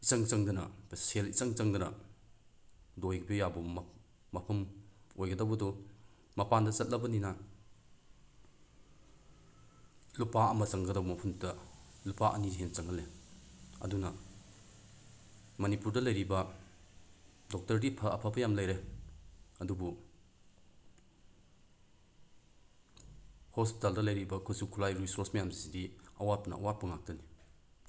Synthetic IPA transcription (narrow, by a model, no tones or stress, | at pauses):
it͡ʃɐŋt͡ʃɐŋdɐnɐ̰peselisɐŋt͡ʃɐŋdɐnɐ | dojɡbejabum | mɐpʰɐmojɡɐdɐbɐdu | mɐpandɐzɐt̚lɐbɐnina | lupaɐmɐt͡ʃɐŋɡɐdɐwbɐmɐpʰɐmtɐlupaʔɐ̰nizɦent͡ʃɐŋɦɐle | ɐ̰dunɐ | mɐnipuɾdɐlɐjɾibɐ | dɔk̚tɐɾdipʰɐʔɐpʰɐbɐjamlɐjɾe | ɐdubu | hospitaldɐlɐjɾibɐkʰosukʰulajɾisɔɾsmijamzisidiɐwat̚pnɐ̰ɐ̰wat̚pɐŋak̚tɐni